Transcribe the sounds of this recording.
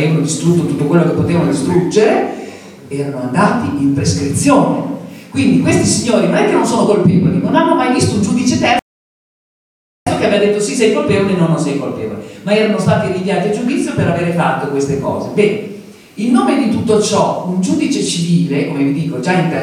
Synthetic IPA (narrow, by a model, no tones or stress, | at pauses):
eːvanod̪ist̪ɾut̪ːot̪ut̪ːokwelːokepːot̪eːvanod̪ist̪ɾud͡ʒeɾe | ɛːɾanoand̪aːt̪iimpɾeskɾit̪sːjoːnekwind̪ikwest̪isiɲːoːɾinonɛkːenonsoːnokolpiːvo̰lḭnonanːomajvist̪ound͡ʒud̪it͡ʃet̪ɛ | t̪okeavɛvad̪et̪ːosisɛjkolpeːvolenonːonsɛjkolpḛːvo̰lemaɛːɾanost̪aːt̪iɾiɱvjaːt̪iad͡ʒːud̪it̪sːjopeɾaveːɾefat̪ːokwest̪ekɔ̰ːzebɛːne | ilnoːmed̪it̪ut̪ːot͡ʃɔund͡ʒud̪it͡ʃet͡ʃiviːlekomevid̪iːkod͡ʒaint̪e